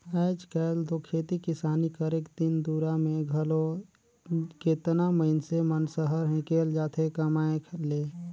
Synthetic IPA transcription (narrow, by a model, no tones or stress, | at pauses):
əɪd͡ʒkɛːld̪okʰːeːt̪ikɪsaːnikəɾekd̪ɪnd̪uːɾamẽɡʱəlo | ket̪naməɪnsemənsəɦəɾɦɛ̃keːld͡ʒaːt̪ʰekəmaːẽkʰleː